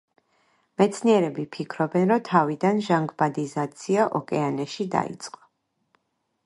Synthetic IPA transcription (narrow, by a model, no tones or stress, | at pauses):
mɛt̪sʰniɛɾɛbipʰikʰɾɔbɛnɾɔmt̪ʰavid̪anʒaŋɡbad̪izat̪sʰiaʔɔkʼɛanɛʃid̪a̰ḭt̪sʼqʼɔ̥